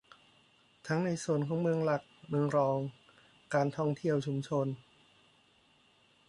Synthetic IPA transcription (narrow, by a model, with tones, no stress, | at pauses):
t̪ʰa˦˥ŋna˧jsu˨˩ənkʰɔː˩˦ŋmɯ˧əŋla˨˩k̚mɯ˧əŋɾɔː˧ŋ | kaː˧nt̪ʰɔ˥˩ŋt̪ʰi˥˩əwt͡ɕʰu˧mt͡ɕʰo˧n